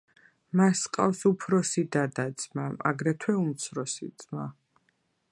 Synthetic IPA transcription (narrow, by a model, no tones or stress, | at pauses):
masqʼa̰fsupʰɾɔsid̪ad̪ad̪z̥maa̰ɡɾɛt̪ʰwɛumt̪sʰɾɔsid̪zʼma